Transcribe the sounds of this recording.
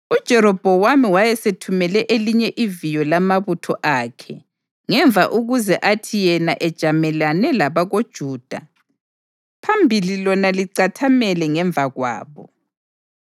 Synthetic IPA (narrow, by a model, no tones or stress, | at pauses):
ud̥ʒ̥ʱɛɾɔb̥ʱɔwamiwajɛsetʰumɛlɛʔeliɲɛʔivijɔlamaβutʰɔʔakʰɛ | ŋɛɱvʱa̰ʔuɣuzɛʔatʰijɛnaʔɛd̥ʒ̥ʱamɛlanɛlaβaɣod̥ʒ̥ʱuːd̥ʱa̰ | pʰambʱililɔnaliǀatʰamɛlɛŋɛɱbvʱaɣwa̰ːβɔ̰